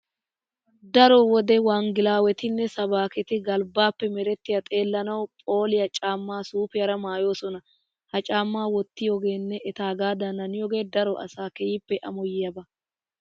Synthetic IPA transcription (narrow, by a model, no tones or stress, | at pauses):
d̪ɐɾɔwɔd̪ɛwaːŋɡɪlaːwɛt̪ɪnːɛsɐbaːkɛt̪ɪɡɐlbaːpːɛmɛɾɛt̪ːɪjɐt̪ʼe̞ːlːɐnɐwpʼo̞ːlɪjɐt͡ʃʼaːmːaːsuːpɪjɐɾɐmaːjo̞ːsɔnɐ | hɐt͡ʃʼaːmːaːwɔt̪ːɪjɔɡe̞ːnːɛʔɛt̪aːɡaːd̪ɐnɐnɪjɔɡe̞ːd̪ɐɾɔʔɐ̰saːkɛjɪpːɛʔɐ̰mɔjɪjɐbɐ